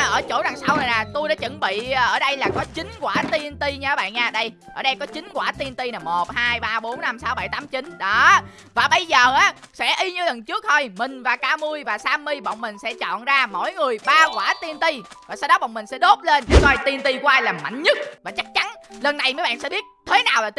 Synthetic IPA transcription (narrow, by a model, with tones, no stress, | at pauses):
ʔəː˧˩t͡ɕo̰˧˩ɗa˨˩ŋsa˧wnə˨˩naː˨˩t̪u˧jɗa̰ː˧˥t͡ɕə˧˩nɓḭː˧˨˧ʔəː˧˩ɗə˧jlaː˨˩kɔ˨˦t͡ɕï˨˦ŋ̟kwaː˧˩t̪i˧ənt̪i˧ɲa˧aː˨˦ɓa̰ː˧˨nɲaː˧˩ɗə˧j | ʔəː˧˩ɗə˧jkɔ˨˦t͡ɕï˨˦ŋ̟kwaː˧˩t̪i˧nt̪i˧na˨˩mo˨˩t̚haː˧jɓaː˧ɓo˨˦nːa˧msaː˨˦wɓa˧˩jt̪aː˨˦mt͡ɕi˨˦nɗɔ˨˦ | vaː˨˩ɓə˧jzəː˨˩ʔaː˨˦sɛ̰˧˥ʔi˧ɲɨ˧lə˨˩nt͡ɕɨ˦˥ək̚t̪ʰo˧jmï˨˩ŋ̟vaː˨˩kaː˧mu˧əjvaː˨˩saː˧mi˧ɓə̰˧˨wŋ͡mmï˨˩ŋ̟sɛ̰˧˥t͡ɕɔ̰˧˨nzaː˧mo̰˧˥jŋɨ˨˩əjɓaː˧kwaː˧˩t̪i˧nt̪i˧vaː˨˩saː˧wɗɔ˨˦ɓə̰˧˨ŋ͡mmï˨˩ŋsɛ̰˧˥ɗo˦˥p̚le˧nʔkɔ˧jt̪i˧nt̪i˧kwaː˧aː˧jlaː˨˩ma̰˧˩˨jŋ̟ɲɨ˦˥t̚vaː˨˩t͡ɕa˦˥k̚t͡ɕa˨˦nlə˨˩nːa˨˩jməː˨˦jɓa̰ː˧˨nsɛ̰˧˥˦ɓi˦˥ət̚t̪ʰe˨˦naː˨˩wlaː˨˩t̪